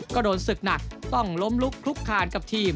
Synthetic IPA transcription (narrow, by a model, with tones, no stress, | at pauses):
ka˧˩doː˩˦nsɯ˨˩k̚na˨˩k̚t̪ɔ˥˩ŋlo˦˥mlu˦˥kʰɾu˦˥kʰːaː˨˩nka˨˩p̚t̪ʰiː˧˩m